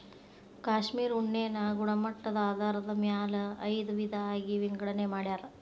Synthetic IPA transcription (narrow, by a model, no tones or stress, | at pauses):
kaːʂmiːɾuɳːeːnɐɡuɳɐmɐʈːɐd̪ɐaːd̪ʱaːɾɐd̪ɐmjaːlɐɐjd̪uʋid̪ʱɐːɡiʋiŋɡɐɽɐnemaːɽjaːɾɐ